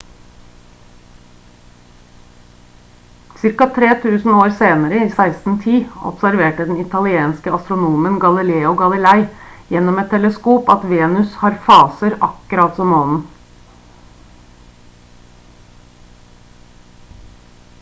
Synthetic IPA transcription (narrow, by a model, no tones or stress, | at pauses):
sɪɾkɑt̪ʰɾeːt̪ʰʉːsn̩oːɾseːnəɾəiːsæɪst̪n̩t̪ʰiːɔ̰psæɾʋeːʈəd̪ɛnɪt̪ʰɑlɪeːnskəɑst̪ɾʊnuːmənɡɑlɪleːʊɡɑlɪlæɪjɛnːɔmɛt̪ʰːɛləskuːpɑt̪ʋeːnʉshɑːɾfɑːsəɾɑkəɾɑt̪sɔmɔnn̩